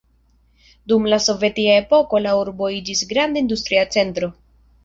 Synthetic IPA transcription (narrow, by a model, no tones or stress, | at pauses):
dumlaso̞ve̞tiae̞po̞ko̞lauɾbo̞id͡ʒisɡɾandaindust̪ɾiat͡se̞ntɾo̞